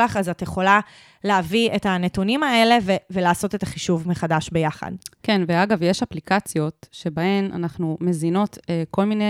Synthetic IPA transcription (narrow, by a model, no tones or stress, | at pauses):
laχazatjeχo̞la | leavietanetunimae̞le̞vevelaːso̞te̞t̪aχiʃuvmeχadaʃbe̞jaχa̰dkenveaɡavjeʃaplikat͡sjo̞tʃebahe̞nʔa̰naχnumezino̞teko̞lmine